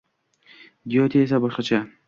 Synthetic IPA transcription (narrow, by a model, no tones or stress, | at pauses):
d̪ijɒt̪ʰiesabɒʃqɑt͡ʃʰa